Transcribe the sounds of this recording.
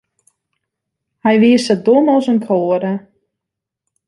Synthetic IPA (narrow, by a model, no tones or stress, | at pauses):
hɛjʋiəsədonɔsənkʰoːɾə